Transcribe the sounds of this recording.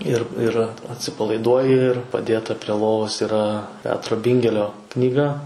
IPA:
ɪr ɪr ɐtʲsʲɪpɐlˠɐɪˈduɔjɪ ɪr pɐˈdʲeːtɐ pʲrʲiɛ ˈlˠoːʋoːs iːˈrɐ ˈpʲæːtroː ˈbʲɪŋʲɡʲɛlʲoː knʲiːˈɡɐ

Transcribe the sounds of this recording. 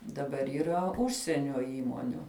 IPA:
dɐˈbɐr iːˈrɐ ˈʊʃʲsʲiɛnʲoː ˈiːmoːnʲʊ

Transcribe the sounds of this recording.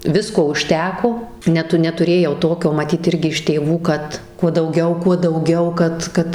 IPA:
ˈʋʲɪskoː ʊʃʲˈtʲæːkoː ˈnʲæːtʊ nʲɛtʊˈrʲeːjɛʊ ˈtoːkʲoː mɐˈtʲiːt ˈɪrʲɡʲɪ ɪʃ tʲeːˈʋuː ˈkɐt kuɔ dɐʊˈɡʲɛʊ kuɔ dɐʊˈɡʲɛʊ ˈkɐt ˈkɐt

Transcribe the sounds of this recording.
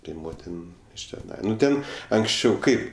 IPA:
tɐɪ ˈmoːtʲɪn ɪʃ tʲɛˈnɐɪ nʊ ˈtʲɛn ɐŋksʲˈt͡ʃʲɛʊ ˈkɐɪp

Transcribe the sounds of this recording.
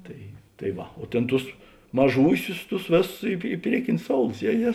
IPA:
ˈtɐɪ tɐɪ ˈʋɐ oː ˈtʲeːn ˈtʊs mɐˈʒuːsʲʊs ˈtʊs ˈʋʲeːˌsʊs ɪ ɪ ˈpʲrʲiɛkʲɪnʲʊs ˈsoːʊlˠʊs ˈjɛ ˈjɛ

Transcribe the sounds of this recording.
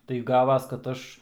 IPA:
tɐɪ ˈɡɑːʋɐs kɐt ˈɐʃ

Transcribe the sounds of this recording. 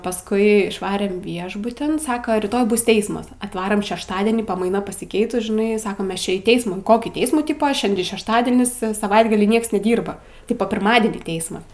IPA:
pɐsˈkʊɪ ɪʃˈʋɑːrʲɛm ˈʋʲiɛʒbʊtʲɪn ˈsɑːkɐ rʲiːˈtoːj ˈbʊs ˈtʲɛɪsmɐs ɐtˈʋɑːroːm ʃʲɛʃˈtɑːdʲiɛnʲiː pɐmɐɪˈnɐ pɐsʲɪˈkʲɛɪtʊs ʒʲɪˈnɐɪ ˈsɑːkɐm ˈmʲɛs t͡ʃʲɪ iː ˈtʲɛɪsmuː iː ˈkoːkʲiː ˈtʲɛɪsmuː ˈtʲiːpɐ ˈʃʲɛnʲdʲɪ ʃʲɛʃˈtɑːdʲiɛnʲɪs sɐˈʋɐɪdɡɐlʲiː ˈnʲiɛks nʲɛˈdʲiːrbɐ ˈtʲɪpɐ pʲɪrˈmɑːdʲiɛnʲiː ˈtʲɛɪsmɐ

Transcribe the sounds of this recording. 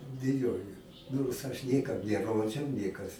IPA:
ˈbʲɪjoːjoː noːrs ˈɐʃ ˈnʲeːkɐm nʲɛˈroːd͡ʒʲɛʊ ˈnʲeːkɐs

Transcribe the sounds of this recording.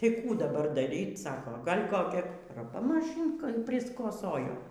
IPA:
ˈtɐɪ ˈkuː dɐˈbɐr dɐˈrʲiːt ˈsɑːkoː ˈɡɐlʲ koːˈkʲɛ rɐˈpɐ mɐˈʃʲiːŋkɐ pʲrʲɪskoːˈsoːjoː

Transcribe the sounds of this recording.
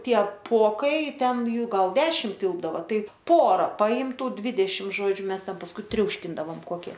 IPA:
ˈtʲiɛ ˈpoːkɐɪ ˈtʲɛn ˈjuː ˈɡɐlˠ ˈdʲæːʃʲɪm ˈtʲɪlˠbdɐʋoː ˈtɐɪ ˈpoːrɐ ˈpɐɪm ˈtuː ˈdʲʋʲɪdʲɛʃʲɪm ˈʒoːd͡ʒʲʊ ˈmʲɛs ˈtʲɛn pɐsˈkʊɪ ˈtʲrʲɛʊʃʲkʲɪndɐʋoːm ˈkoːkʲiɛ

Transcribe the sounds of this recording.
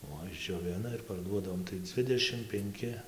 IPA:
ˈoː ɪʒʲd͡ʒʲoːˈʋʲɪnɐ ɪr pɐrˈduɔdɐʋoːm tɐɪ ˈd͡zʲʋʲɪdʲɛʃʲɪm pʲɛŋʲˈkʲɪ

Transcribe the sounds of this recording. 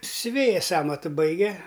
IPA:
sʲʊˈʋʲeːjɛs ˈɑːmɐtʊ ˈbɐɪɡʲɛ

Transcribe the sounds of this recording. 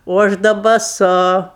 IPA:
oː ˈɐʃ dɐ bɐˈsʊ

